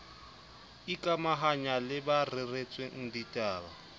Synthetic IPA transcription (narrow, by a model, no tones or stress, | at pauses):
ikʼamaɦaɲalɪbarɪret͡sʼweŋ̩ditʼaːba